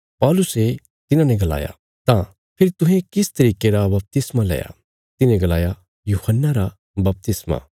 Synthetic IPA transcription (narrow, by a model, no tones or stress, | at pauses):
pɔːlʊse | t̪ɪnãnɛ̃ɡɐla̰ːja̰ | t̪ã | pʰɪɾt̪ʊ̃ɦẽkɪst̪ɐɾiːkeɾabɐp̚t̪ɪsmalɛ̰ːja̰ | t̪ɪnẽɡɐlaːja | juːhənːaɾa | bɐp̚t̪ɪsma̰